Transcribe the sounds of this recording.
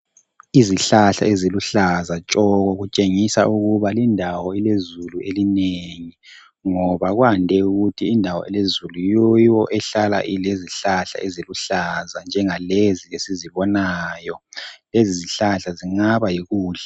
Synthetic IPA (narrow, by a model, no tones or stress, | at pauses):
iziɬaɬa̰eziluɬazat͡ʃʼɔɣɔɣut͡ʃʼeŋisa̰uɣuβalindʱawɔilezuluʔelineŋi | ŋɔβaɣwandʱɛuɣutʰiːndʱawɔ̰ilezulujowɔʔɛɬala̰ʔileziɬaɬa̰ʔeziluɬazand͡ʒʱɛŋaleziesiziβɔnaːjɔleziziɬaɬaziŋaβajiɣuːɬɛ